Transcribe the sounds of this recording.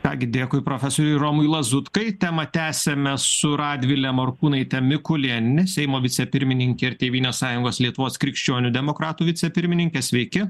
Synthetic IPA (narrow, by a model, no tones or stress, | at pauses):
t̪ɑːɡʲɪd̪ʲeːkʊɪpɾoːfʲɛsoːɾʲʊɾoːmʊjlˠɐzʊt̪kɐɪt̪ʲæmɐt̪ʲæːsʲɛmʲɛsʊɾɑːd̪ʲʋʲɪlʲɛmɐɾkuːnɐɪt̪ʲɛmʲɪkʊlʲɛnʲɪsʲɛɪmoːʋʲɪtt͡s̪sʲɛpʲɪɾʲmʲɪnʲɪŋʲkʲɛːɪɾt̪ʲeːʋʲiːnʲoːssɑːjʊŋɡoːslʲiɛt̪ʊʋoːskɾʲɪkʃʲt͡ʃʲoːnʲʊd̪ʲɛmoːkɾɑːt̪uːʋʲɪt̪sʲɛpʲɪɾʲmʲɪnʲɪŋʲkʲeːsʲʋʲɛɪkʲɪ